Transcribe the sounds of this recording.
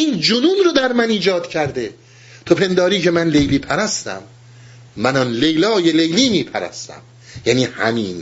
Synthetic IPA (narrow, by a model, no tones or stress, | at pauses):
iːnd͡ʒunuːnɾod̪æɾmæniːd͡ʒɒːd̪cʰæɾd̪e | t̪ʰopʰe̞nd̪ɒːɾiːcʰe̞mænlejliːpʰæɾæst̪æ̰mː | ænɒnlejlɒːjelejliːmiːpʰæɾæ̰st̪æ̰m | jæːniːhæ̰miːn